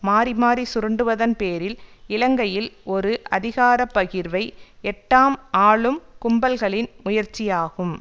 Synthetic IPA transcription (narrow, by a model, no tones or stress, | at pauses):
maːɾimaːɾisʊɾɯɳɖɯʋɐðɐnpeːɾɪlɪlɐŋɡɐjɪlɔɾɯʔɐðɪɣaːɾɐpːɐɣɪɾʋɐɪɛʈːaːmaːɭɯmkʊmbɐlɣɐɭɪnmʊjɐɾt͡ʃːɪjaːɣɯm